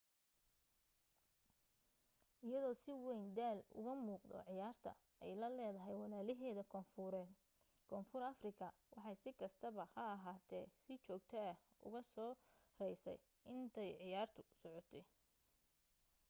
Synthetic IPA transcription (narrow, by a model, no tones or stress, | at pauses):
ʔɪjɐðɔːsɪwɛjnd̪aːlʊ̰ɣɐmuːqd̪ɔ̰ʕɪjaːrt̪ʰɐ̰ | ɛjlɐlɛːðɐɦɛjwɑlaːlɪɦɛːðɐɛ | kʰɔːfʊɾɐfrɪkʰɐ | wɑħɑjsɪkʰɐst̪ʰɐβɐhɐɐɦaːt̪ʰɛːsɪt͡ʃɔːk̚t̪ʰɛɐhʔʊ̰ɣɐsɔːrɛjsɛ̰j | ɪnt̪ʰɛjʕɪjaːrt̪ʰʊ̥sɔʕɔt̪ʰɛ